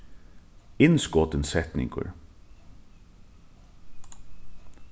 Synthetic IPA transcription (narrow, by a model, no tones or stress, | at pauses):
ɪnskɔːt̪ənsɛt̪nɪ̰ŋkə̰ɹ